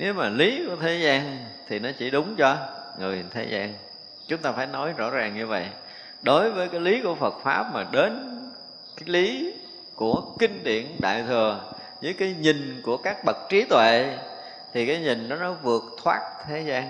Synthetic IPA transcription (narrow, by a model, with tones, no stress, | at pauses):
ne˨˦wmaː˨˩li˨˦ku˧˩ət̪ʰe˨˦zaː˧nt̪ʰi˨˩nɔ˨˦t͡ɕi˧˩ɗʊ˨˦ŋ͡mt͡ɕɔ˧ŋɨ˨˩jt̪ʰe˨˦zaː˧n | t͡ɕʊ˨˦ŋ͡mt̪aː˧faː˧˩jnɔ˨˦jzɔ̰˧˥zaː˨˩ŋɲɨ˧və̰˧˨j | ɗo˨˦jvəː˨˦jkaː˨˦jli˨˦ku˧˩əfə˨˩t̚faː˦˥p̚maː˨˩ɗe˨˦n | kaː˨˦jli˨˦ | ku˧˩əkï˧ŋ̟ɗḭ˧˨ənɗa̰ː˧˨jt̪ʰɨ˨˩ə | zəː˨˦jkaː˨˦jɲi˨˩ŋku˧˩əkaː˦˥k̚ɓə˨˩t̚t͡ɕi˨˦t̪wḛ˧˨ | t̪ʰi˨˩kaː˨˦jɲï˨˩ŋɗɔ˨˦nɔ˨˦vɨ˨˩ək̚t̪ʰwaː˦˥t̚t̪ʰe˨˦zaː˧n